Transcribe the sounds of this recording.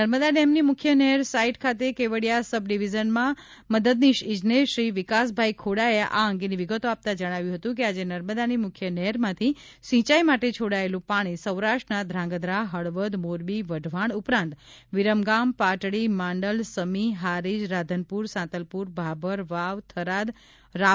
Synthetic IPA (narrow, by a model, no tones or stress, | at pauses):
nəɾməd̪aɖemnimʊkʰjənɛɦəɾsaiʈkʰat̪̬ekeʋəɽjasəbɖiʋizənmã | məd̪əd̪̚niʃɪd͡ʒneʃɾiʋɪkas̬bʱaikʰoɽaeʔa̰əŋɡeniʋiɡət̪oap̚t̪ad͡ʒəɽ̃aʋjũɦət̪ũk̬ead͡ʒenəɾməd̪animʊkʰjənɛɦəɾmãt̪ʰi | sĩt͡ʃaimaʈet͡ʃʰoɽaelũpaɽ̃isəwɾaʂʈnad̪ʱɾãŋ̆ɡəd̪ɾaɦəɭʋəd̪moɾbiʋəɖʱʋaɳʊpɾãnt̪ | ʋiɾəmɡampaʈɽimãɳɖəlsəmiɦaɾid͡ʒɾad̪ʱənpuɾsãt̪əlpuɾbʱabəɾʋaʋt̪ʰəɾad̪ | ɾa